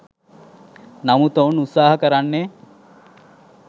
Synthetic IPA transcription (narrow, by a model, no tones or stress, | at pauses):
namut̪əunut̪saːɦɐkəɾanːe